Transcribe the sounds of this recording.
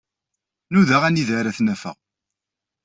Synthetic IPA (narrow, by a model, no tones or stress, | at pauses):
nuðaʁæniðaɾæθnæfə̰ʁ